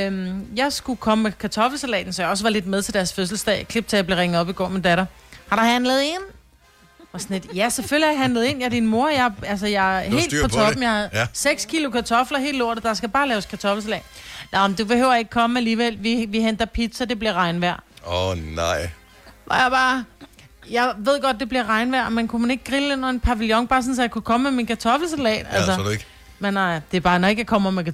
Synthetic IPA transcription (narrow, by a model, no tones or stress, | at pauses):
mjɑ̈ɪsɡ̥ukʰɒ̽məmekʰæt͡sʰɒ̽fl̩sælɛ̰ːn̩sɒjɑ̈ɒ̽sʋɑ̈le̝d̥̚meðˠt͡sʰe̝d̥æɐsføs̬l̩sd̥ɛ̰ːkʰleb̥̚t͡sʰejɑble̝ʁeŋəð̩ˠɒ̽b̥iɡ̥ɒ̰ːmind̥æɾɐhɑ̈ɾ̥uhænlð̞̩ˠe̝̰n | ɒsɒne̝d̥jæseføl̰jiɦænləð̩ˠe̝̰ːnjɑd̥inmo̝ɐjɑ̈ɪælsɐjɑɪhe̝̰lpɒ̽ɒ̽b̥m̩jɑhæðˠseɡ̥skʰilokʰæt͡sʰɒ̽flɐɦe̝̰ːloɐd̩ˠd̥ɑ̈sɡ̥æb̥ɑ̈ːlɛːʊskʰæt͡sʰɒ̽fl̩s̬ælɛ̰ːnɑmnd̥ub̥e̝hø̰ʊ̰ɐje̝ɡ̥̚kʰɒ̽mæliːʋel̰ʋiʋiɦen̰d̥ɐpʰid̥sɒd̥e̝b̥liɐʁɑ̈ɪnʋæɐ̰nɑɪ̰ | ʋɒjɑ̈b̥ɑ̈ː | jɑ̈ɪʋe̝ð̞̰ˠɡ̥ɒ̽d̥̚d̥e̝b̥liɐʁɑ̈ɪnʋæɐ̰menkʰumene̝ɡ̥̚ɡ̥ʁile̝n̰ɒenpʰæʋiljɒ̽ŋb̥ɑ̈ːsɔ̽n̩s̬ɒ̽jɑ̈kʰukʰɒ̽məmeminkʰæt͡sʰɒ̽fl̩selɛ̰̥ːælsədɡ̥ | menːɑɪ̰d̥e̝ɐb̥ɑ̈ːnɒe̝ɡ̥jɑ̈kʰɒ̽m̰ɐmek